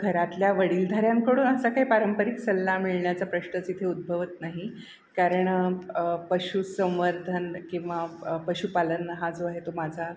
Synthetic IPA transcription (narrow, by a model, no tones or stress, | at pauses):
ɡʱəɾat̪ljaʋəɽiːld̪ʱəɾjamkəɽuːnəsakaɦipaɾəmpəɾiksəlːamiɭɳjat͡sapɾəɕɳət͡sit̪ʰeud̪̚bʱəʋət̪naɦi | kaɾəɳ | pəɕusə̃w̃ʋəɾd̪ʱənkĩw̃ʋapəɕupalənɦad͡zoaɦet̪omad͡zʱa